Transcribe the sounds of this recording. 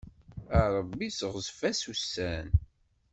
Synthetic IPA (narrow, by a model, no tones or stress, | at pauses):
æɾˤəbːisəʁzfæsusæn